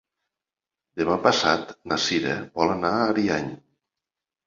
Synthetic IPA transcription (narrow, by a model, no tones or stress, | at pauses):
d̪emapəsat̪nasiɾḛbɔlənaːɾiaɲ